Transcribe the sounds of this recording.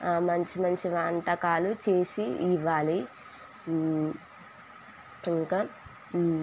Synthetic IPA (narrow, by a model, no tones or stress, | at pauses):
mɐɲt͡ʃimɐɲt͡ʃiʋaːɳʈɐkaːlut͡ʃe̞ːsiiʋaːli | iŋka